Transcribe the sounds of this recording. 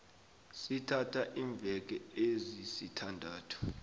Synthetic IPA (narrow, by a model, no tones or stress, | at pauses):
sitʰatʰaʔiːɱb̪vʱɛk̬ɛezisitʰandʱaːtʰɔ̥